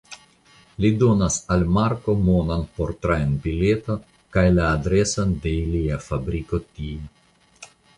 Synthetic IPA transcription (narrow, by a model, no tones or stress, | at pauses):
lid̪onasalmaɾkomonanpoɾt̪ɾaenbilet̪o | kajlaːd̪ɾesand̪eiliafabɾikot̪ie